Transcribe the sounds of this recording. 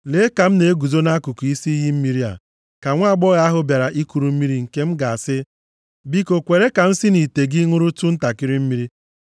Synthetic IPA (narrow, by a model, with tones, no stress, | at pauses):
le˨˦ka˨m̩˦ne˨˦e˦ɡu˨zo˦na˦ku˨ku˨i˦si˦i˦ɦi˦m̩˦mi˦ɾi˦a̰˨ | ka˨ŋʷa˦˨ɡ͡bɔ˦ɣa˦a˦ɦʊ˦bja˨ɾa˨ʔi˦ku˨ɾu˨m̩˦mi˦ɾi˦ŋ̩˨ke˦m̩˦ɡa˨a˨sɪ˦ | bi˦ko˨kʷe˨ɾe˦ka˨m̩˦si˦ni˨te˨ɡi˦ŋʊ˦ɾʊ˦tʊ˦n̩˦ta˨kɪ˦ɾi˦m̩˦mi˦ɾi˦